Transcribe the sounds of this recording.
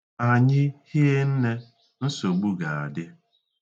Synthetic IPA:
a˨ɲɪ˦hi˦e˦n̩˦ne˦ | n̩˦so˨ɡ͡bu˦ɡa˨a˨dɪ˦

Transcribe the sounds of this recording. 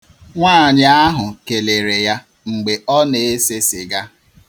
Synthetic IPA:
ŋʷaː˦˨ɲɪ˨a˦ɦʊ˨ke˨le˨ɾe˨ja˦ | ŋ͡m̩˨ɡ͡be˨ɔ˦ne˨e˦se˦sɪ˨ɡa˦

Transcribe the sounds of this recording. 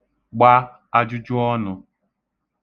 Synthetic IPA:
ɡ͡ba˦ | a˦d͡ʒʊ˦d͡ʒʊ˦ɔ˦nʊ˨

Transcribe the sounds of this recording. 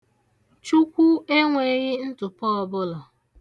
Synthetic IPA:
t͡ʃu˦kʷu˦e˦ŋʷe˨ɣɪ˦n̩˦tʊ˨pɔ˦ɔ˨bʊ˦lɔ˨

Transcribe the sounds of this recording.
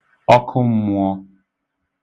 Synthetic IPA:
ɔ˦kʰʊ˦m̩˦mu˨ɔ˦

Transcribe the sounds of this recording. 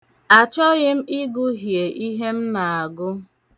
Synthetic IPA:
a˨t͡ʃɔ˦ɣɪ˦m̩˦i˦ɡʊ˦ɦje˨ʔi˦ɦe˦m̩˦na˨a˨ɡʊ˦

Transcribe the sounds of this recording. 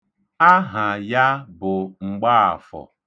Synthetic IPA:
a˦ɦa˨ja˦bʊ˨ŋ͡m̩˨ɡ͡ba˦a̰˨fɔ̰˨

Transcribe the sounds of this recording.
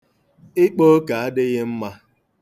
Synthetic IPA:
ɪ˦k͡po˦ka˨a˦dɪ˦ɣɪ˦m̩˦ma˦

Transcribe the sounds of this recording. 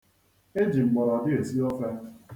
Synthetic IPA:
e˦d͡ʒi˨ŋ͡m̩˨ɡ͡bɔ˨ɾɔ˨dɪ˦e˨si˦ɔ˦fɛ˦

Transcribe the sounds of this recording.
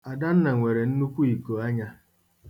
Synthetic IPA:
a˨da˦n̩˦na˨ŋʷe˨ɾe˨n̩˦nu˦kʷu˦i˨ko˨a˦ɲa˦

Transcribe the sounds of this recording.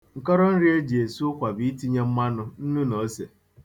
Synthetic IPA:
ŋ̩˨kɔ˦ɾɔ˦n̩˦ɾi˦e˦d͡ʒe˨su˦ʊ˦kʷa˨bi˨˦i˦ti˦ɲe˦m̩˦ma˦nʊ˨n̩˦nu˦no˨˦se˨

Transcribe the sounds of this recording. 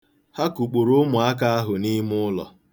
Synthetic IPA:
ha˦ku˨k͡pu˨ɾʊ˦mʊ˨a˦k̬a˦a˦ɦʊ˨ni˦mʊ˦lɔ̰˨

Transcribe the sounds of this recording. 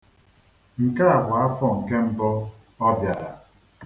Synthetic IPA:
ŋ̩˨ka˦a˨ɡʷa˨a˦fɔ˦ŋ̩˨ke˦m̩˦bɔ˦ | ɔ˦bja˨ɾa˨

